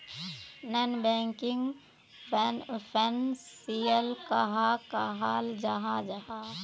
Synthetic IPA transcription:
nənbɛ̃ːŋkɪ̃ŋɡ | pʰənsiːəlkaɦakaɦaːld͡ʒaɦad͡ʒaɦaː

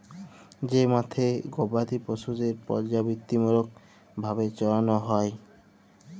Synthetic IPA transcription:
d͡ʑemat̪ʰeɡobat̪iposud̪eɾpɔ̰ɾd͡ʑabit̪ːimuɾok̚ | bʱabet͡ɕɔlanɔɦɔe

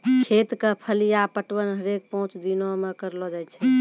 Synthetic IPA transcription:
kʰet̪kepʰəlijapəʈwənɦəɾek̚pəɦũt͡ʃd̪inomekəɾlɔd͡ʒajt͡ʃʰɛ

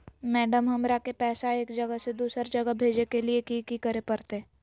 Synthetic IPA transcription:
mɛːɖəmɦɐmɾakepɛːsaeːkd͡ʒɐɡəsed̪uːsəɾd͡ʒɐɡəbʱeːd͡ʒekeliekikikəɾepɐɾt̪e

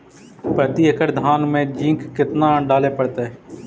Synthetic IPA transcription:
pət̪iəkəɾd̪ʱaːnmẽːd͡ʒĩːŋkːɪt̪naːɖaːlepəɽt̪e

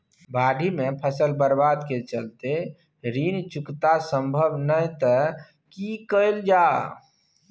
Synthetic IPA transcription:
baɖʱimepʰəsəlbəɾbad̪ket͡ʃəlt̪e | ɾint͡ʃukt̪asə̃mbʱəbnəjt̪ə | kikəɪld͡ʒa

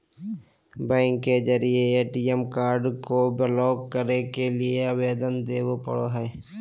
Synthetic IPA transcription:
bɛ̃ːŋkːed͡ʒəɾieeːʈiemkaːɾɖkobelɔːɡkəɾnekelieəweːd̪ənd̪eːwopə̰ɽo̰ɦɛː

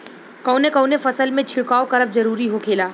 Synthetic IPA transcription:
kɐːnekɐ̃ːnefɐsəlmẽt͡ʃʰɪɭkaːokɐɾəp̚zɐɾuːɾiɦokʰeːlaː

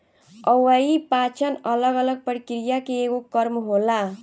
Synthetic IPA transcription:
ʌwaipat͡ʃʰʌnʌlʌɡʌlʌɡ̚pəɾikɾijakeːɡokʌɾmɦola

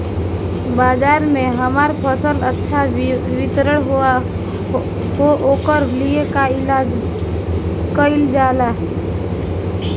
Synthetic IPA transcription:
baːzaːɾmẽɦəmaːɾpʰəsələtːʃʰaʋɪt̪ɾəɽ̃ɦoa | ɦoʔoːkəɾliekaɪlaːd͡ʒ | kəɪld͡ʒaːlaɦɛ

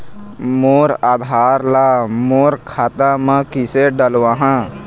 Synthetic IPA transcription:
moːɾaːd̪ʱaːɾlaːmoːɾkʰaːt̪ãmãkɪseɖəlʋãːɦã

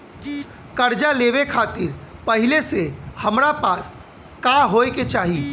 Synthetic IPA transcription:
kɐɾd͡ʒaleːʋekʰaːt̪ɪɾpɐɦɪlesehɐmɾapaːs | kaɦoːeket͡ʃaːɦiː

